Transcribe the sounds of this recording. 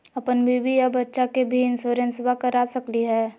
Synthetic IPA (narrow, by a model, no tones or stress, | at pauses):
ɐpənbʱibijabɐtːʃakebʱiɪnsoːɾə̃nswakəɾasəkliɦɛː